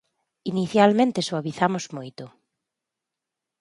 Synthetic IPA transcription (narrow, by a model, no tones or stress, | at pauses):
iniθjalmẽnt̪esoaβiθamozmojt̪ʊ